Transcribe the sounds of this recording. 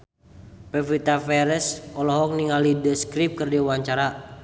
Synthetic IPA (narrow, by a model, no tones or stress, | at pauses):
pɛfit̪afɛɾɛsɔlɔɦɔk̚niŋalidəskɾip̚kərdiwaɲt͡ʃaɾa